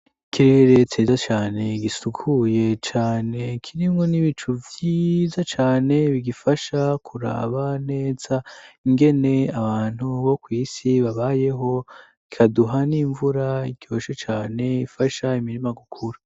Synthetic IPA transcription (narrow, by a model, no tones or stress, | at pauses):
ikiɾeɾe̞tʰeːzat͡ʃaːne̞ɡisukʰuje̞t͡ʃaːne̞kʰiɾimŋo̞niβit͡ʃuvjiːzat͡ʃaːne̞βiɡifaʃakʰuɾa̰βane̞ːz̥aiŋɡe̞ne̞aβaːn̥huβo̞kwiːsiβaβaje̞ɦo̞ | ikʰaduɦaniːɱvuɾaiɡjo̞ːʃet͡ʃaːne̞ifaʃaimiɾimaɡukʰuɾa